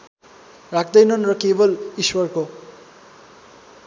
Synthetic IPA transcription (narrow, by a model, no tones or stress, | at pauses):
rak̚ʰd̪ʌjnʌnrʌkebʌliswʌrko